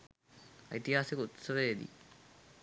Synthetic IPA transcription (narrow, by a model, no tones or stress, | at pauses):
ɐ̰jt̪iɦaːsikut̪sɐʋeːd̪ḭ